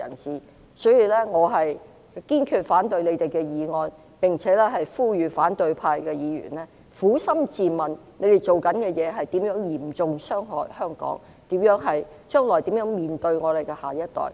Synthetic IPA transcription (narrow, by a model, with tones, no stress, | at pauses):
ɐ̰˨˩nsiː˨˩ | sɵ˨˥jiː˧lɛː˥ŋɔː˨˧ɦɐ˨j | kiː˥nkʰyː˧t̚faː˨˥nt̪ɵ˧ɥne˨˧t̪e˨jkɛː˧jiː˨˧ŋɔː˧n | pɪ˨˩ŋt͡sʰɛː˨˥lɛː˥ɦɐ˨jfuː˥jyː˨faː˨˥nt̪ɵ˧ɥpʰaː˧jkɛː˧jiː˨˧jy̰ː˨˩nlɛː˥ | fuː˨˥sɐ˥mt͡siː˨mɐ˨nne˨˧jt̪e˨jt͡so˨wkɐ˨˥nkɛː˧jɛː˨˧ɦɐ˨jt̪iː˨˥mjœː˨˥ŋjiː˨˩mt͡sʊ˨˧ŋsœː˥ŋɦɔ̰ː˨˩jhœː˥ŋkɔ̰ː˨˥ŋ | t̪iː˨˥mjœː˨˧˥ŋɦɐ˨j | t͡ʃœː˥ŋlɔː˨˩jt̪iː˨˥mjœː˨˥ŋmiː˨˩nt̪ɵ˧ɥŋɔː˨˧t̪e˨jkɛ˧haː˨˩jɐ˥t̚t̪ɔ̰ː˨˩j